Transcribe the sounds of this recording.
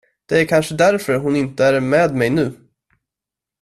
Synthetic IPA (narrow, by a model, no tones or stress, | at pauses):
d̪̥ɛæɾkʰanʂəd̪æɾfœɾɦʊnɪnt̪əæɾmɛːd̪mɛjnʉ̟ː